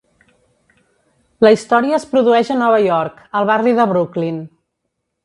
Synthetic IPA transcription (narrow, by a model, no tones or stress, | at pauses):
ləist̪ɔɾiəːspɾuðuɛʒənɔβ̞əjɔɾk | əlˠβariðəβɾuklin